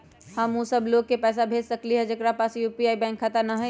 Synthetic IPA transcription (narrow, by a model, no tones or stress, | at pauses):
hɐmũsɐbloːɡ̚kepɛːs̬abʱeːd͡ʒsɐkliɦɛd͡ʒɐkɾapaːsjuːpiaːibɛ̃ːŋkʰːat̪ənaɦɛ̃